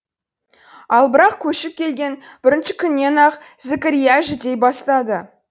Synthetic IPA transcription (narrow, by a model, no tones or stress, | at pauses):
ɑlˠbɪɾɑq̚kʲʰɵʃɪp̚kʲʰe̞lɡʲe̞nb̥ɪɾɪnʃɪkʲʰʏnːe̞nɑq | zɪkʲɪɾijæʒɪt̪e̞jbɑst̪ɑd̪ə